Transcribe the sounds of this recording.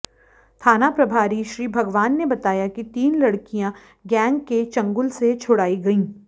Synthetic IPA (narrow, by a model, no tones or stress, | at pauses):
t̪ʰaːnapɾɐbʱaːɾiʃɾiːbʱɐɡʋaːnːebɐt̪aːjakit̪iːnlɐɽkijã | ɡɛ̃ːŋɡket͡ʃɐ̃ŋɡʊlset͡ʃʰʊɽaːiɡɐĩː